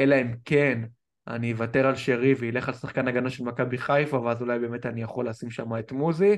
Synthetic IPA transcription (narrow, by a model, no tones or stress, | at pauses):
elaimken | a̰nievate̞ʁalʃeʁiveile̞χalsaχkanaɡanaʃelmakabiχajfavazulajbe̞me̞tanijaχolasimʃamaet̪muzi